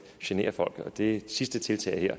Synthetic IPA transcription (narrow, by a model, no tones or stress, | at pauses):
ɕene̝̰ːɐfɒ̽l̰ɡ̥ð̩ˠɒ̽d̥e̝sisd̥ət͡sʰe̝lt͡sʰɛ̰ːɪheɐ̰